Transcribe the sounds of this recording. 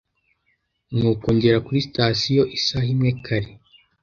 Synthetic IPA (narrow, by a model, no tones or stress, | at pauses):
nuːkoːɲɟeɾakuɾistasijo̞ʔisahimŋekʰaɾi